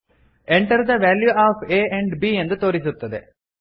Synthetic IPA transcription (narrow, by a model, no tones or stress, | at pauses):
ʔeɳʈɐɾd̪ɐʋæːljuʔaːfeːʔeɳɖbiːend̪ɐt̪oːɾisut̪ːɐd̪ḛ